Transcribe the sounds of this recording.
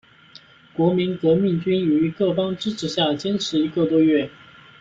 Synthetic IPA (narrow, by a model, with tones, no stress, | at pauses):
kwɔ˧˥mi˧˥nkɤ˧˥mi˥˩ŋt͡ɕy˥ni˨˩y˧˥kɤ˥˩fɑ˥ŋʈ͡ʂɻ̩˥ʈ͡ʂʰɻ̩˨˩ɕja˥˩t͡ɕjɛ˥nʈ͡ʂʰɻ̩˧˥i˧˥kə˥˧t̪wɔ˥ɥɛ˥˩